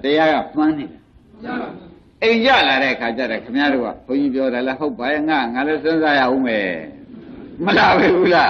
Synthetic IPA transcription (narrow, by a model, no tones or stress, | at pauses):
təjaɣa̰smãneɾa | ʔẽɪ̃ɲt͡ɕa̰laɾɛ̰ʔəkʰat͡ɕa̰ɾɔkʰəmjaɾo̰ɡa̰pʰõʊ̃ɲd͡ʑip̬jɔɾalɛɦoʊpːajɛŋaŋalɛsʰɪ̃nzaja̰ʔõmɛ | məlabebula